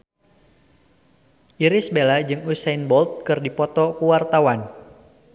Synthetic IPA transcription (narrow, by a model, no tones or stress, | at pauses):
ʔiɾɪsbelad͡ʒɨŋusɛjnbɔlt̪̚kɨrdipɔt̪ɔkuwart̪awan